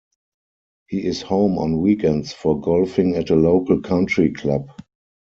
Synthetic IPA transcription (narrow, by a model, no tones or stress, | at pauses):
hiːɪshõʊ̃mɔ̰̃nwiːkɛ̃ntsfɔɡɔlfɪ̃ŋɛtəloʊkəlkʰãntɹikʰlab